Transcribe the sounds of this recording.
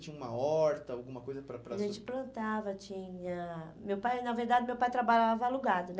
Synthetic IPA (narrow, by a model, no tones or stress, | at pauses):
t͡ʃĩɲɐũmɐ̰ɔɾt̪ɐawɡũmɐkojzɐpɾɐpɾɐʒẽt͡ʃɪ̥plɐ̃nt̪avɐt͡ʃĩɲɐ | mewpajnɐveɾd̪ad͡ʒɪmewpajt̪ɾabaʎavɐaluɡad̪ʊnɛ